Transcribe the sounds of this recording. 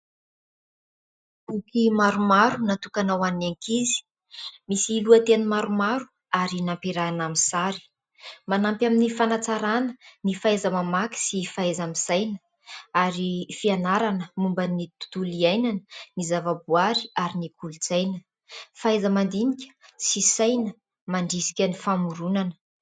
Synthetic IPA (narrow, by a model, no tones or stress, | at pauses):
bukimaɾumaɾunat̪ukanawanaŋkizi̥ | misiluat̪enəmaɾumaɾu | aɾinampiɾanaminsaɾi̥ | manampʲaminifanat͡saɾanənifaajzəmamaki̥sifaejzamisajnə̥ | aɾifianaɾanəmumbənit̪u̥t̪uliajnanənizavabuaɾiaɾinikʰulut͡sajnə | fajzəmand̪inikʲə̥sisajnə | maɳɖ͡ʐisi̥kʲənifamuɾunanə̥